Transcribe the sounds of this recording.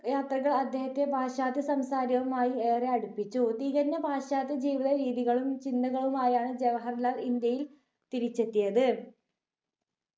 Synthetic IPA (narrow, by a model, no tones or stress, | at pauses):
jaːt̪rɐɣɐɭɐd̪ʱje̞ːhɐt̪ːebʱaːɕaːd̪iɐsɐmsaːɾjɐʋumaːjie̞ːreɐɽupːit͡ɕːut̪iɣɐɾnːɐbʱaːɕaːd̪ʱid͡ʑiːʋiðɐɾiːðiɣɐɭumt͡ɕind̪ɐɣɐɭumaːjaːɳɨd͡ʑeʋɐɦɐrlaːlind̪jɐjil | t̪iɾit͡ɕːet̪ːijɐðɨ